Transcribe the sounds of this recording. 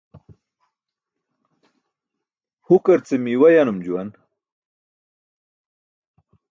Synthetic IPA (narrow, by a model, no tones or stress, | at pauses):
hukaɾt͡semiwajanumd͡ʑuwan